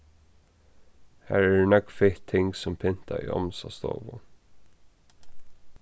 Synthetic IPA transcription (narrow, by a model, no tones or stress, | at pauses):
hæ̰ːɹɛnœkfɪht̪ʰːɪŋksɔmpʰɪn̥t̪aḭɔ̰msast̪o̰ːvʊ